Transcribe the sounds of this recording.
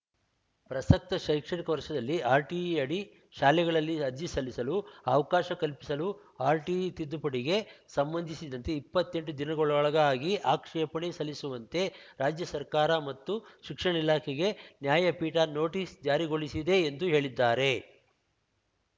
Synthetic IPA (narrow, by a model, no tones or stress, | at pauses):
pɾɐsɐk̚t̪ɐʃɐjkʂɐɽikɐʋɐɾʂɐd̪ɐlːiaːɾʈiɐɽi | ʃaːlɛɡɐɭɐlːiɐd͡ʒisɐlːisɐluɐʋɐkaːʃɐkɐlpisɐlu | aːɾʈit̪id̪ːupɐɽiɡe̞sɐmbɐnd̪ʱisid̪ɐnt̪e̞ipːɐt̪ːe̞ɳʈud̪inɐɡɔɭɔɭɐɡɐaːɡiʔaːkʂɛpɐɳesɐlːisuʋɐnt̪e̞ɾaːd͡ʒjɐsɐɾkaːɾɐmɐt̪ːuʃikʂɐɳɐilaːkʰeɡe̞njaːjɐpiːʈano̞ːʈiːsd͡ʒaːɾiɡo̞ɭisid̪e̞ːnd̪uɦe̞ːɭid̪ːaːɾe̞